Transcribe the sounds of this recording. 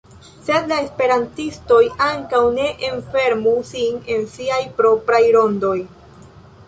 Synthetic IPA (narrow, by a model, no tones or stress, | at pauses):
se̞d̪laespe̞ɾantisto̞jaŋkawne̞ʔenfe̞ɾmusine̞nsiajpɾo̞pɾajɾo̞ndo̞j